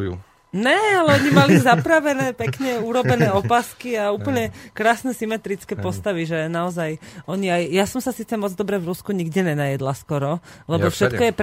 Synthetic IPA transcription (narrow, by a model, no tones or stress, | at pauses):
ṵ | ɲɛalɛɔɲimalizapɾaʋɛnɛːpɛkɲɛuɾɔbɛnɛːɔpaːskiauːpl̩ɲɛkɾaːsnɛsimɛt̪ɾit͡skɛːpɔst̪aʋiʒɛnaɔzajɔɲiajjasɔmsasiːt͡sɛmɔd͡zd̪ɔbɾɛvɾuskuɲiɡɟɛɲɛnajɛd̪laskɔɾɔlɛbɔfʃɛt̪kɔjɛp